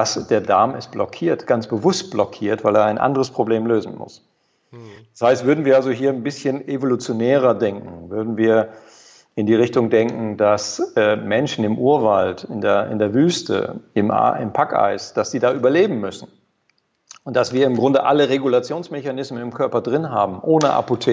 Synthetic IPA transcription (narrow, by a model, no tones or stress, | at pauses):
d̥asd̥eːɐdaɐmɪst̚b̥lɔkʰiːɐtɡ̥ansb̥əvʊst̚b̥lɔkʰiːɐtv̥aɪleːɐaɪnʔa̰ndəʁəspʁ̥obleːmløːzn̩mʊ̰s | d̥ashaɪstv̥ʏɐdn̩viːɐalzoɦiːɐnbɪsçənevolut͡sjonɛːʁ̞ɐdɛŋkŋ̩vʏɐdn̩viːɐ | ʔɪndiːʁɪçtʊŋdɛŋkŋ̩dasɛːmɛnʃn̩ɪmʔuːɐvaltɪndeːɐʔɪ̰ndeːɐvyːstə̰ɪm̰ɪ̰mpʰaka̰ɪsd̥asz̥iːdaːʔyːbɐleːbm̩mʏsn̩ | ʔʊnt̚d̥asv̥iːɐɪmɡʁʊndəʔaləʁeɡulat͡sjoːnsmeçanɪsmənɪmkʰœɐpɐdʁɪnɦaːbm̩ʔoːnəʔa̰potʰeː